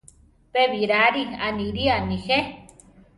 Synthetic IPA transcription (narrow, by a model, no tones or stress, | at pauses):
peβiɾaɾianiɾianixe